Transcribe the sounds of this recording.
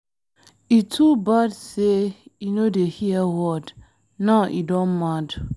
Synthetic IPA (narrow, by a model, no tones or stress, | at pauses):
itʰubadseinodehiəwɔd | naʊʔidɔ̃nmad